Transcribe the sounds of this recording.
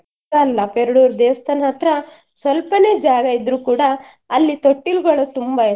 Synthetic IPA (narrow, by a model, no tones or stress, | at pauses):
ɐːlːɐpeɾɐɽuːɾd̪eːʋɐst̪ʰɐnɦɐt̪ɾɐ | sʋɐlpɐne̞ːd͡ʒaːɡɐid̪ɾuːkuːɽɐː | lːit̪oʈːilɡɐɭut̪umbɐe